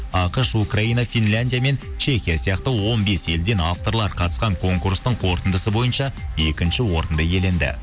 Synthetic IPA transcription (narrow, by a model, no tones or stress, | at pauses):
ɑqəʃukraijnɑfinlʲanʲd̪ʲijame̞n | t͡ʃʰe̞xʲijasijɑqt̪əwo̞nbe̞se̞ld̪e̞naft̪o̞ɾlˠɑɾqʰɑt̪ə̥sqɑŋkʰo̞ŋkurst̪əɴqʰo̞ɾt̪ənd̪əsəbo̞jənʃɑe̞kʲɪnʃɪwo̞ɾənd̪əje̞le̞nd̪ɪ̰